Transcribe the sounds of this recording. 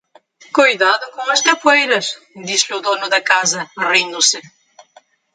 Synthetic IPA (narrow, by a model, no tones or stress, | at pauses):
kojðaðʊkõɐʃk̪ɐpwejɾɐʃ | d̪izʎuðonʊðɐkazɐrĩnd̪ʊsɪ